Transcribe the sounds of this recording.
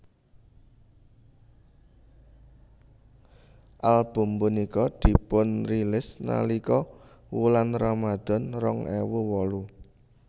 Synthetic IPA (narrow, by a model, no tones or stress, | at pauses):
ʔalb̥ṳmbunikɔd̪̥i̤pʊnrilɪsna̰likɔ | wulanramad̪̥ɔ̤nrɔŋɛwuwɔlu